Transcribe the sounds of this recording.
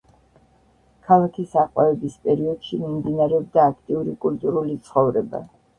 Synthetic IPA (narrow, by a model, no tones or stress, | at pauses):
kʰalˠakʰisaqʼwaɛbispʼɛɾiɔd̪̥ʃimimd̪inaɾɛɔb̚d̪aːkʰt̪ʼiuɾikʼult̪ʼuɾulit̪sʰχɔvɾɛba̰